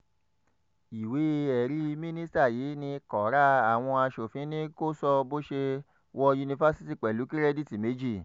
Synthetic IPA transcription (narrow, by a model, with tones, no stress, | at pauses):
i˨we˨˦ɛ˨ɾi˦˧mĩ˦nĩ˦sta˦˨jiː˨˦nĩ˧kɔ˨ɾa˦a˨w̃ɔ̃˧a˧ʃo˨fĩ˨˦nĩ˦ko˦sɔ˧bo˦ʃe˧ | wɔ˧ju˧nĩ˧fa˦si˦ti˦˨k͡pɛ˨lu˨˦ki˦ɾɛ˦di˦˨ti˨me˨˦d͡ʒi˦˨